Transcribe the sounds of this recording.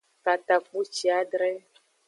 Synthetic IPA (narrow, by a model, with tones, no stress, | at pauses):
ka˨t̪a˨k͡pu˦t͡ʃi˨a˦ɖɾɛ˦